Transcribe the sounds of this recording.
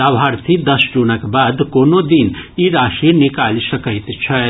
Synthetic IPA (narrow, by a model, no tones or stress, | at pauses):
aʋʱaːɾt̪ʰid̪ɐsd͡ʒunəkbaːd̪koːnod̪iniɾaːʃinɪkaːlsɐkəɪt̪t͡ʃʰɛ